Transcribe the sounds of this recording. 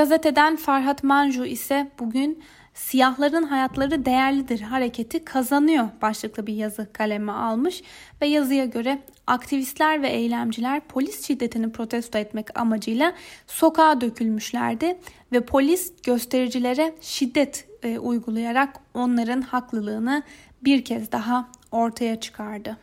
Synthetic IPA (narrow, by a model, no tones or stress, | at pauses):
ɡazɛt̪e̞d̪ænfaɾɦat̪manʒuisɛb̥uɟyn | sijaɦlˠaɾɯnɦajat̪ʰlˠaɾɯd̪e̞jæɾlʲid̪iɾɦaɾe̞cʰe̞t̪ʰikʰazanɯjobaʃlˠɯklˠɯbiɾjazɯkʰalʲemɛalˠmɯʃvɛjazɯjaɟø̞ɾɛ | akt̪ʰivist̪lʲæɾvɛʔejlʲæmd͡ʒilʲæɾpʰo̞lʲisʃid̪ːe̞t̪ʰinipɾo̞t̪ʰɛst̪oɛt̪mɛca̰mad͡ʒɯjlˠaso̞kʰaːd̪ø̞cʰylʲmyʃlʲæ̰ɾd̪ɪ | vɛpʰo̞lʲisɟ̥ø̞st̪ʰe̞ɾid͡ʒilʲe̞ɾɛʃid̪ːɛt̪ʰujɡulˠujaɾako̞nlˠaɾɯnhaklˠɯlˠɯːnɯ | biɾcʰɛzd̪aɦao̞ɾt̪ʰajat͡ʃʰɯ̥kʰaɾd̪ɯ